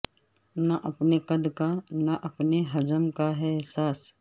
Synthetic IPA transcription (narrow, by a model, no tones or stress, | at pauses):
naʔɐpnekɐd̪kanaʔɐpneɦɐd͡ʒəmkaɦɛɪɦsaːs